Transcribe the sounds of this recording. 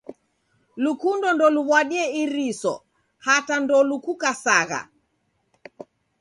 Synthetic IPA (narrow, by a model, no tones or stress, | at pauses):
lukundɔndɔluβwaɗiɛiɾisɔ̰ | hatandɔlukukasaɣa̰